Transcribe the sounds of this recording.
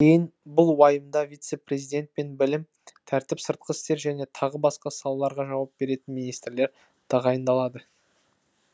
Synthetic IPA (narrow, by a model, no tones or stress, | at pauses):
kʲʰejɪnbʊlˠwɑjəmd̪ɑvʲijt̪se̞pɾʲe̞zijd̪e̞nt̪̚pe̞nbɪlɪm | t̪ʰæɾt̪ɪpsəɾt̪̚qəst̪e̞ɾʒæne̞t̪ʰɑʁəbɑsqɑsɑlˠɑlˠɑɾʁɑʒɑwɑp̚be̞ɾe̞t̪ɪnminijst̪ɾle̞ɾ | t̪ʰɑʁɑjənd̪ɑlˠɑd̪ə